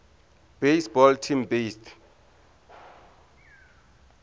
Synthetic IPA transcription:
b̥esbɔltʰimbestʰ

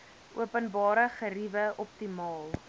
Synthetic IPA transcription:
ʔuəpənbɑːɾəχəɾivəʔɔp̚timɑːlˠ

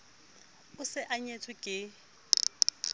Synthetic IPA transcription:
ʊsɪʔaɲetʰʊkʼɪ

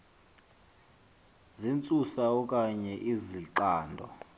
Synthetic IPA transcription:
zint͡sʼusaɔkʼaɲɛʔiziǃaːndʱɔ

